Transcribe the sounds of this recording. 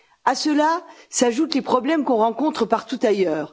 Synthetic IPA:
asəlasaʒut̪lepχɔblɛmkɔ̃ʁɑ̃kɔ̃t̪χəpaʁt̪ut̪ajœːʁ

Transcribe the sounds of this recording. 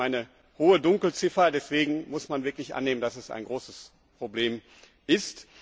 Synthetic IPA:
ʔaɪnə | hoːədʊŋkl̩t͡sɪfɐdɛsv̥eːɡŋ̩mʊsmanvɪɐklɪçʔa̰nːeːməndasɛsa̰ɪnɡʁoːsəs | pʁ̥obleːm | ʔɪst

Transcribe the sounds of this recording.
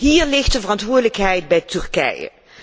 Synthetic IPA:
ɦiːɹlɪxtdəvərɑntʋʊːɹdələkɦɛjt̚bɛjtʏɹkɛ̰jə̰

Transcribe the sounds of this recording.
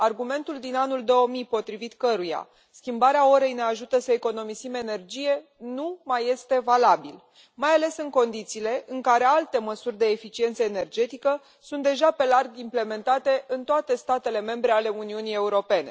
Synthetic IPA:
arɡume̞nt̪uld̪inanuld̪o̞əmipo̞t̪ɾivit̪kəɾuja̰ | skʲimbaɾeao̞ɾe̞jne̞aʒut̪əsəeko̞no̞mizime̞ne̞rd͡ʒije̞numaje̞st̪e̞valabil | majale̞sɨŋko̞nd̪it̪siːle̞ʔɨŋkaɾe̞alt̪e̞məsurʲd̪e̞ːfit͡ʃie̞nt̪səene̞rd͡ʒe̞t̪ikə | sunt̪d̪e̞ʒape̞larɡimple̞me̞nt̪at̪e̞ʔɨnt̪oat̪e̞st̪at̪e̞le̞me̞mbɾe̞ale̞uniunie̞uɾo̞pe̞ne̞

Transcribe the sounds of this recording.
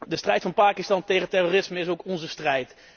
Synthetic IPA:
dəstrɛjtfɑnpaːkɪstɑntejχətɛroːrɪsməɪsowkɔnzəstrɛjt

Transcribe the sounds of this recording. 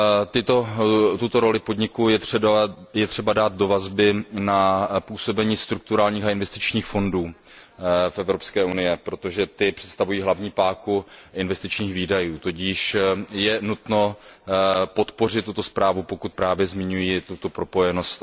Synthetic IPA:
t̪ɪt̪ot̪ut̪o̞ɾo̞lɪpo̞dɲɪkuɛ | jɛt̪r̥ɛbadaːt̪̚do̞vazbɪnapuːso̞bɛɲiːst̪ɾuk̚t̪uɾaːlɲiːxaɪnvɛst̪ɪt͡ʃɲiːxfo̞nduː | fʔɛvɾopskɛːʔunɪjɛpɾo̞t̪o̞ʒɛt̪ɪpr̝̥ɛ̥t̪st̪avujiːɦlavɲiːpaːkuʔɪnvɛst̪ɪt͡ʃɲiːxviːdajuːt̪ociːʃjɛnut̪no̞ | po̞t̪po̞r̝ɪt̪ːut̪o̞spɾaːvupo̞kut̪̚pɾaːvjɛzmɪɲujiːt̪ut̪opɾo̞po̞jɛno̞st̪

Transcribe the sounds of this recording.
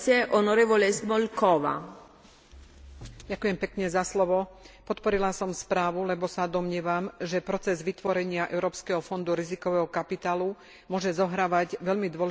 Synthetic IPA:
jɛʔonoɾɛːvɔlɛzmɔlkɔʋa̰ | ɟakujɛmpɛkɲɛzaslɔʋɔpɔt̪pɔɾilasɔmspɾaːʋulɛbɔsad̪ɔmɲɪɛːʋamʒɛpɾɔt͡sɛzʋit̪ʋɔɾɛɲɪaʔɛ̰ʊɾɔːpskɛɦɔfɔnd̪uɾizikɔʋɛːɦɔkapit̪aːlu | mʊɔʒɛzɔɦɾaːʋaɟʋɛʎmid̪ʋɔlɛ

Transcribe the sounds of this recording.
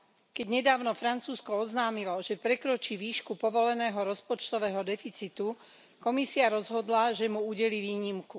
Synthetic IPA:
kɛɟɲɛd̪aːʊnɔfɾant͡suːskɔɔznaːmilɔʒɛpɾɛkɾɔt͡ʃiːʋiːʃkupɔʋɔlɛnɛːɦɔɾɔspɔt͡ʃt̪ɔʋɛːɦɔd̪ɛfit͡sit̪u | kɔmisiaɾɔzɦɔd̪laʒɛmuuɟɛliːʋiːɲimku

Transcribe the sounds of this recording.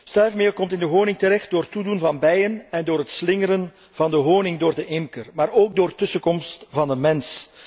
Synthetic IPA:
stœɥfmeːrkɔmtɪndəɦoːnɪŋtəɾɛxt̚doːrtudunvɑnbɛjənɛndoːɾɦətslɪŋəɾən | vɑndəɦoːnɪŋdoːrdəʔɪmkərmaːɾoːɡ̚doːrtɵsəkɔmstvɑndəmɛns

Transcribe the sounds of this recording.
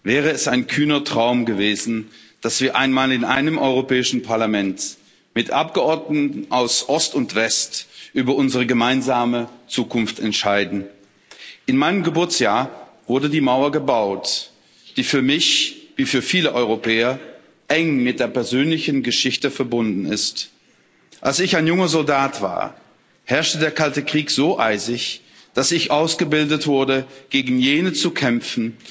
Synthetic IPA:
vɛːʁ̞əɛsaɪnkʰyːnɐtʁ̥aʊmɡəveːzn̩d̥asv̥iːɐʔaɪnmaːlɪnʔa̰ɪnəmʔɔʏʁopʰɛːɪʃn̩pʰaɐlamɛnt | mɪtʔap̚ɡ̥əɔɐdnəttn̩ʔaʊsʔɔstʊntv̥ɛstʔyːbɐʔʊnzəʁ̞əɡəmaɪnzaːmət͡suːkʰʊnftɛntʃaɪdn̩ | ʔɪnmaɪnəmɡəbʊɐt͡sjaːɐv̥ʊɐdədiːmaʊɐɡəbaʊt | d̥iːfyːɐmɪçviːfyːɐfiːləʔɔʏʁ̞opʰɛːɐ | ʔɛŋmɪt̚d̥eːɐpɛɐzøːnlɪçn̩ɡəʃɪçtəfɛɐbʊndn̩ɪ̰st | ʔalsɪçaɪnjʊŋɐzɔldaːtv̥a̰ːɐ | hɛɐʃtədeːɐkʰaltəkʁ̥iːkz̥oːʔaɪzɪç | d̥asɪçʔaʊsɡ̥əbɪldətv̥ʊɐdəɡ̥eːɡŋ̩jeːnət͡sukʰɛmfn̩

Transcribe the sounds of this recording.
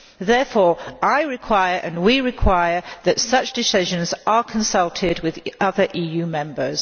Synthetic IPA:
ðɛfɔːɹaɪɹɪkʰw̥aɪəɹʔə̃nwiɹɪkʰw̥aɪə˞ðətsʌt͡ʃd̥ɪsɪʒə̃nzəkʰə̃nsʌlˠtʰɪd̚wɪðʌðəɹʔiːjʉːmɛ̃mbəz̥

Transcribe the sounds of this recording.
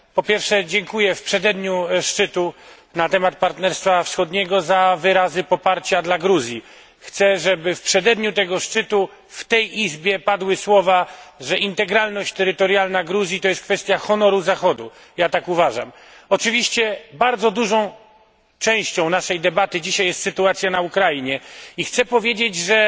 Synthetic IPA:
pɔpʲjɛɾfʂɛd͡ʑɛŋkujɛfpʂɛd̪ɛd̪ɲuʂt͡ʂɘt̪u | nat̪ɛmat̪̚paɾt̪nɛɾst̪fafsxɔd̪ɲɛɡɔzavɘɾazɘpɔpaɾt͡ɕad̪laɡɾuzʲji | xt̪sɛʐɛbɘfpʂɛd̪ɛd̪ɲut̪ɛɡɔʂt͡ʂɘt̪u | ft̪ɛjizbʲjɛpad̪wɘswɔvaʐɛʔint̪ɛɡɾalnɔɕt͡ɕt̪ɛɾɘt̪ɔɾjalnaɡɾuzʲjit̪ɔjɛst̪kfɛst̪ʲjaxɔnɔɾuzaxɔd̪u | jat̪akuvaʐa̰m | ɔt͡ʂɘvʲiɕt͡ɕɛbaɾd̪zɔd̪uʐɔ̃w̃ | t͡ʂɛ̃w̃ɕt͡ɕɔ̃w̃naʂɛjd̪ɛbat̪ɘd͡ʑiɕajɛst̪sɘt̪uat̪sʲjanaukɾajiɲɛixt̪sɛpɔvʲjed͡ʑed͡ʑʐɛ

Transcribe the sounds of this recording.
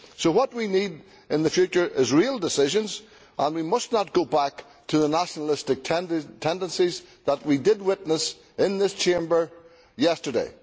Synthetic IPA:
soʊwʌt̚winiɾ | ɨ̃nðɨfjʉt͡ʃə˞ʔɪzɹilˠdɨsɪʒə̃nz | ʔə̃nwimʌstⁿnət̚ɡ̥oʊbak | tʰɨðənæʃənəl̩ˠɪstɨk̚tʰɛtʰɛ̃ndə̃nsizðət̚widɪd̚wɪtⁿnəs | ɪ̃nðɪst͡ʃʰẽmbə˞ | jɛstə˞dḛɪ

